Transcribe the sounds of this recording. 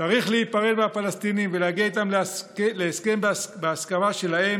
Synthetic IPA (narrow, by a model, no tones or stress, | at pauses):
t͡saʁiχleit̪̚paʁed̪bafalest̪inimveleaɡiait̪amlkleːske̞mbeaskamaʃe̞lahe̞m